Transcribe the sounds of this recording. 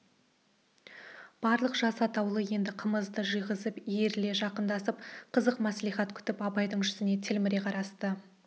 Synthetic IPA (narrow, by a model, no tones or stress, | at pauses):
b̥ɑɾlˠəqʒ̥ɑsɑt̪ɑwlˠəje̞nd̪ɪqʰəməzd̪əʒijʁəzəpeɾle̞ʒɑqənd̪ɑsəp̚qʰəzəqmæsliχɑt̪kʲʰʏ̥t̪ɪpɑbɑjd̪əɴʒʏsɪne̞t̪ʰɪlmɪɾe̞qʰɑɾɑst̪ə